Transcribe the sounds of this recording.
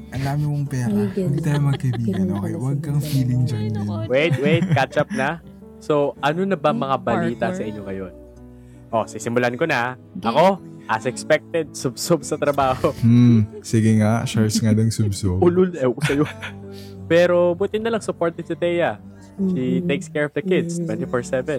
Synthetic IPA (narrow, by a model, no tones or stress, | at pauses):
ʔɐnd̪aːmɪmoŋpɛːɾɐnd̪it̪aːjʊmɐɐkɐibiːɡɐnokɐjawɐɡ̚kːɐŋfiːlɪŋd͡ʒɐnanwejt̪̚wejt̪̚kat͡ʃɐp̚nɐ | so̞ʔɐnonɐbɐŋmɐŋabɐliːt̪ɐsɐʔɪɲːo̞ŋɐjo̞n | ʔo̞sisɪmʊlɐanko̞nɐ | ɐko̞ʔɐsɛkspɛk̚t̪ɛd̪̚sʊbsobsɐt̪ɾɐbaːho̞m̩sɪɡɪŋaʃaɹsŋanɐŋsʊbsoʊlʊlokʊsɐjo | pɛːɾo̞buːt̪ɪnːɐlɐŋsʊpoɹt̪ɛd̪̚sʊt̪ɛjɐ | ʃit̪ejkskɛɹɔfd̪ɐkɪd̪st̪wɛnt̪ifoɹsɛvɛn